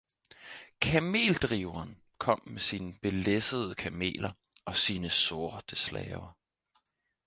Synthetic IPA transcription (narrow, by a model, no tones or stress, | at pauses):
kʰæme̝̰ːld̥ʁiʊɐːn | kʰɒ̽m̰mesiːnəb̥e̝lesəð̩ˠəkʰæme̝̰ːlɐ | ʔɒ̽siːnəsoɐd̥əslɛ̰ːʊɐ